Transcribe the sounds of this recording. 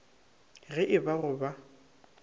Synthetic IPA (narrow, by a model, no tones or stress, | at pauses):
ɣɛʔɪbarʊba